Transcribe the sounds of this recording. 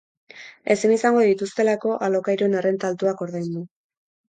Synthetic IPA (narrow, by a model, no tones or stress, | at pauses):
e̞sinisaŋɡo̞ðit̪ust̪e̞lako̞ʔalo̞kajɾuenare̞nt̪alt̪uako̞ɾðajnd̪u